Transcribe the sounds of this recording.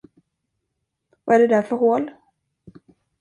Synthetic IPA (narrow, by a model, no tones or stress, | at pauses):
vaæɖɛd̪æɾfœɾɦoːl